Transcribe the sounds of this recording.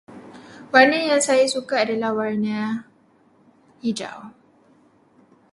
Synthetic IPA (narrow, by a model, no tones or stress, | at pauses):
warnəjaŋsajasukaːdalahwarna | hid͡ʒa̰w